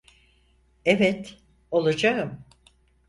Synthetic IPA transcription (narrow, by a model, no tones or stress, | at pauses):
evɛt̪ | o̞lˠad͡ʒaɯm